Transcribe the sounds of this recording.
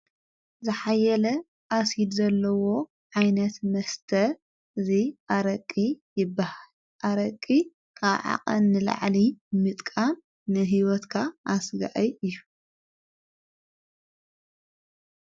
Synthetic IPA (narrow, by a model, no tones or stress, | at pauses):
zɨħajːɐlɐ | ʔasid̪zɐlːɐwo̞ | ʕajnɐt̪mɐst̪ʰɐ | ɨziʔaɾɐkʼːijɪbːahal | ʔaɾɐkʼːi | kʰaβʕa̰qʼɐ̰nːɨla̰ʕlimɨt̪ʼkʼamː | ɨɦiwɔt̪kʰaʔasɡa̰ʔɐɨjːu